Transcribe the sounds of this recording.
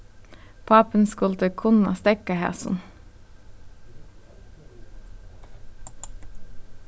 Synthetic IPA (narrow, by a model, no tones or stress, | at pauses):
pʰɑːpənskʊlt̪əkʰʊnɑ̰st̪ɛkəhæ̰ːsʊ̰n